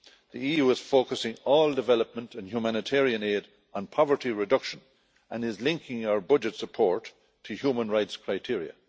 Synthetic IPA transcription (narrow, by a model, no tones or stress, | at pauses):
ðiijuːɪz̥foːkəsɪ̃ŋɔːlˠdɨvɛləp̚mə̃ntʰə̃njumanɨtʰɛɹiə̃neːɾ | n̩pʰɑvə˞tiɹɨdʌkʃə̃n | ʔə̃nɪzlɪ̃ŋkʰɪ̃ŋaʊə˞bʌd͡ʒɨtsəpʰɔɹtʰ | ɨhjumə̃nɹaɪtskʰɹ̥aɪtʰɪɹiə̰